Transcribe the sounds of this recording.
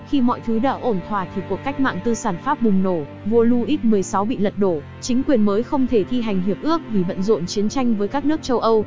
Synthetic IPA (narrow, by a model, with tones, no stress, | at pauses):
xi˧mɔ̰˧˨jt̪ʰɨ˨˦ɗa̰ː˧˥ʔo˧˩nt̪ʰwaː˧˩t̪ʰi˨˩ku˨˩əkːa˦˥jk̚ma̰ː˧˨ŋt̪ɨ˧saː˧˩nfaː˦˥p̚ɓʊ˨˩ŋ͡mno˧˩ | vo˧lu˧ʔi˦˥t̚mɨ˨˩əjsa˨˦wɓḭ˧˨lə˨˩t̚ɗo˧˩ | t͡ɕï˨˦ŋ̟kwi˨˩ənməː˨˦jxə˧wŋ͡mt̪ʰe˧˩t̪ʰi˧ɦa˨˩jŋ̟ɦi˨˩əp̚ʔɨ˦˥ək̚vi˨˩və̰˧˨nzo̰˧˨nt͡ɕi˨˦ənt͡ɕa˧jŋ̟vəː˨˦jkaː˦˥k̚nɨ˦˥ək̚t͡ɕə˧wʔə˧w